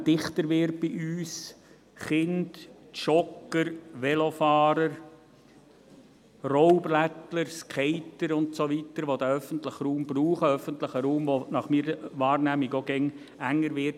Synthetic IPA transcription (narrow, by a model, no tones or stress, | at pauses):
d̥ɪχtəɾʋɪɾt̚b̥iʔyːs | χɪnd̥ | ʃɔkəɾʋɛlofɑːɾəɾ | roʊblætləɾskʰɛɪtəɾʊntsoʋitəɾʋod̪əœfəntləχruːmb̥ruːχəœfənt̪ləχəɾuːmʋonɑχmiːɾəʋɑːɾnæːmiɡoɡ̥ɛŋ | æŋːəɾʋɪt